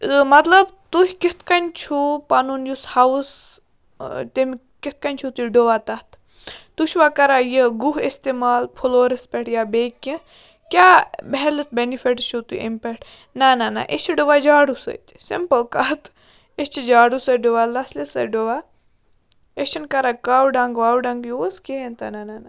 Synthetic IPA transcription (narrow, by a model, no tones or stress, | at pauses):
mɐt̪lɐbt̪uɦʲkit̪kɐnʲt͡ʃʰupɐnunjushɐs | t̪em | kit̪̚kɐnʲt͡ʃʰut̪uɖoʋaːt̪ɐht̪ | t̪uʃʋaːkɐɾaːjəɡuɦest̪emaːlpʰuloːɾispʲeʈjaːbekːĩ | kʲaːbɛɦɛlɨt̪̚benifeʈʃut̪ṵʔḛmpeʈ | nanana̰ʔet͡ʃʰiɖoʋad͡ʒaːɽusə̰t̪sḭmpɐlkɐt̪ | est͡ʃʰid͡ʒaːɽusɐɖoʋaːlɐslesɐɖoʋa | et͡ʃʰinkɐɾaːkawɖaŋɡʋaːwɖɐŋɡjuoskeent̪a̰nanana